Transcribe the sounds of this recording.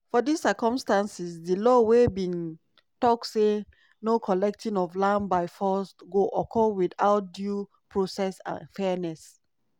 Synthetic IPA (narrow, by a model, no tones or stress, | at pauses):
fɔdisəkɔ̃mstãnsisdəlɔwebĩn | tɔk̚tse | nokʰɔlɛk̚tĩnɔvlãmbaɪfɔsɡoʔɔkʰɔwidaʊt̚dju | pʰɹosɛsã̰nfɛnɛs